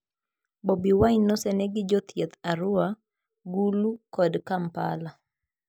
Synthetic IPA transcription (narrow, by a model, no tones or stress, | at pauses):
bobiwainɔsɛnɛɡɪd͡ʒɔt̪jet̪aɾʊa | ɡulukɔdkampa̰la